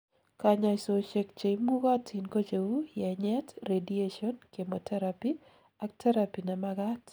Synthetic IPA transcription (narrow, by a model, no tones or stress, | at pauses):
kaɲasoʃek̚t͡ʃejmuɣatʰinkot͡ʃeujɛɲɛtredieʃɔnkemotʰɛɾapi | ak̚tʰɛɾapinamaɡat